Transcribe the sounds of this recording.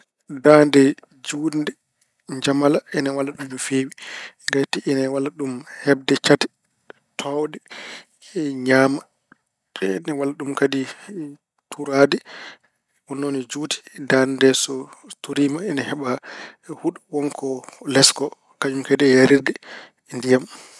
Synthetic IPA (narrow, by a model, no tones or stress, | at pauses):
dandɛ | d͡ʒundɛ | ɲd͡ʒamalaɛnawalːaɗumd͡ʒufewiɡatiʔɛnawalːaɗumhɛb̚dɛt͡ʃatɛ̥ | tʰɔwdɛ | ɲaːma | ɛnawalːaɗumkadi | tuɾaːdɛ | wɔnːonid͡ʒuːti̥dandɛsɔtuɾimaɛnahɛɓahuɗuwɔŋkʰɔlɛskɔ | kad͡ʒumkɛdɛjaɾiɾdɛ | ndijam